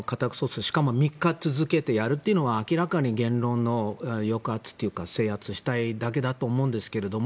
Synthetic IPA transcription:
kat̪akɯ̟̥so̞sɨɕi̥kamo̞mʲikːat͡sɨzɨke̞t̪e̞jaɾɯ̟t̪ːeiɯ̟no̞βaːkʲiɾakaɲ̟iɡẽ̞nɾõ̞nːo̞jo̞kɯ̟at͡sɨ̥t̪ːe̞jɯ̟kase̞ːhat͡sɨɕi̥t̪aid̪ak̬e̞d̪at̪o̞ːmõ̞̟ːnd̪e̞sɨ̥ke̞ɾe̞d̪o̞mo

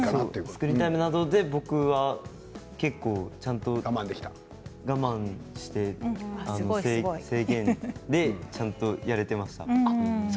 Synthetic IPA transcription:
soːsɨ̥kɯ̟ɾʲit̪aimɯ̟nad̪o̞d̪e̞bo̞kɯ̟βa | ke̞kːo̞ːt͡ɕãnt̪o̞ɡamãnd̪eki̥t̪a | ɡamãɰ̃ɕi̥t̪e̞annosese̞ːɡẽ̞nd̪e̞t͡ɕãnt̪o̞jaɾe̞t̪e̞maɕi̥t̪a̰

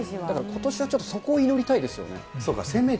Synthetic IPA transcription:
d̪akaɾakʰo̞t̪o̞ɕiβat͡ɕo̞t̪ːoso̞ko̞ːino̞ɾʲit̪aid̪e̞sɨjo̞̰ne̞̰so̞ːka̰sẽ̞mːe

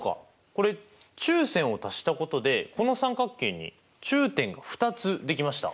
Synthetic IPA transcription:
ka̰ | ko̞ɾe̞t͡ɕɨːsẽɰ̃o̞t̪aɕi̥t̪ako̞t̪o̞d̪e̞ko̞no̞sãŋkakːẽ̞ɲ̟ːḭ | t͡ɕɨːt̪ẽ̞ŋɡaɸɯ̟̥t̪at͡sɨd̪e̞k̬ʲimaɕi̥t̪a̰

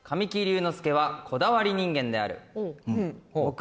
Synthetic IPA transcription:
kʰamʲikʲiɾʲɯːno̞sɨ̥ke̞β̞akʰo̞d̪aβaɾʲiɲ̟ĩŋɡẽ̞nd̪e̞a̰ɾɯ̟̰

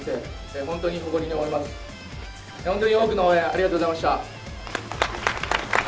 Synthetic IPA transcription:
t̪e | eɦont̪o̞ɲ̟iɦo̞ɡo̞ɾʲiɲiomoɾimasɨ̥ | hõ̞nt̪o̞ɲ̟ioːk̬ɯ̟nooẽaɾiɡat̪oːɣo̞zaimaɕi̥t̪a

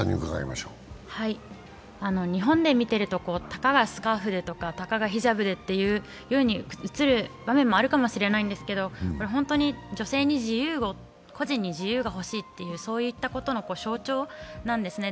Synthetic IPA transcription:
a̰ɲʲḭkaɡa̰ḭma̰ɕoːhai | ano̞ɲ̟iɦõ̞nd̪e̞mʲit̪e̞ɾɯ̟t̪o̞ko̞ːt̪ḁkaɡasɨ̥kaːɸɯ̟d̪e̞t̪o̞kat̪akaɡaçiʑabɯ̟d̪e̞t̪ːe̞jɯ̟ː | jɯɯ̟ɲ̟iɯ̟t͡sɨɾɯ̟bamẽ̞mːo̞aɾɯ̟kamo̞ɕiɾe̞naĩnd̪e̞sɨ̥ke̞d̪o̞ko̞ɾeɦõ̞nt̪o̞ɲ̟id͡ʑo̞se̞ːɲ̟iʑijɯːɡo̞ | kʰo̞ʑĩɲ̟ːiʑijɯ̟ːɡaɦo̞ɕiːt̪ːe̞jɯ̟ːso̞ːjɯ̟it̪ːako̞t̪o̞no̞ko̞ːɕo̞ːt͡ɕo̞ːnãnd̪e̞sɨne̞

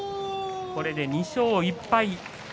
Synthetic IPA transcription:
ko̞ɾe̞d̪e̞ɲ̟iɕoːipːai

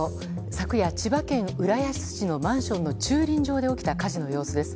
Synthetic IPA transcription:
o | sakɯ̟jat͡ɕibakẽ̞ɰ̃ɯ̟ɾajaɕi̥t͡sɨ̥ʑino̞mãɰ̃ɕõ̞nːo̞t͡ɕɨːɾʲĩɲ̟d͡ʑo̞ːd̪e̞o̞kʲi̥t̪akaʑino̞jo̞ːsɨd̪e̞sɨ̥

